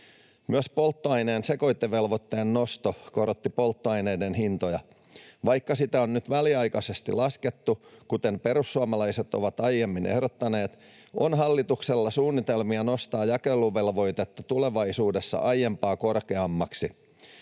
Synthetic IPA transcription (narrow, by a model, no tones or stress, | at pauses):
myøspo̞lt̪ːoɑjne̞ːnse̞ko̞jt̪ːeʋe̞lʋot̪ːeːnːo̞st̪oko̞ɾot̪ːipo̞lt̪ːoɑjne̞jde̞nɦint̪o̞jɑ | ʋɑjkːɑsit̪æonnyt̪ʋæliɑjkɑse̞st̪ḭlɑske̞t̪ːukut̪e̞mpe̞ɾusːuɑmɑlɑjset̪o̞̰ʋɑt̪ɑjːe̞mːinehdot̪ːɑne̞ːt̪ | ʔo̞̰nɦɑlːit̪ukselːɑsuːnːit̪e̞lmiɑno̞st̪ɑːjɑkelːuʋe̞lʋo̞jt̪et̪ːɑt̪ule̞ʋɑjsuːdesːɑ̰ʔɑjːe̞mpɑːko̞rke̞ɑmːɑksi